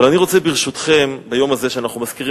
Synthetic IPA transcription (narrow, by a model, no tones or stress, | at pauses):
alaniʁo̞t͡se̞biʁʃut̪χe̞mbajo̞mazeʃeanaχnumaz̥kiʁi